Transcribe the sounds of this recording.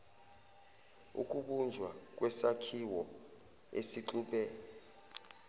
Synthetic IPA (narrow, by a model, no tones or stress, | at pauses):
ṵk̬ʼuɓund͡ʒʱwak̬ʼwɛsakʰiwɔ | esiǁʼuːɓɛ